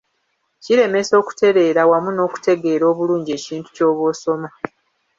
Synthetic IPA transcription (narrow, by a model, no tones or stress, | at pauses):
ciɾe̞me̞so̞ːku̥te̞ɾe̞ːɾawamuno̞ːku̥te̞ɡe̞ːɾo̞ːβuluːɲɟie̞ːciːntu̥co̞ːβwo̞ːso̞ma